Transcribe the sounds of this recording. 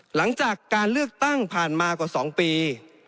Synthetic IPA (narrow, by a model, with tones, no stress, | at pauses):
la˩˦ŋt͡ɕaː˨˩kːaː˧nlɯ˥˩ək̚t̪a˥˩ŋpʰaː˨˩nmaː˧kɔː˧˩sɔː˩˦ŋpiː˧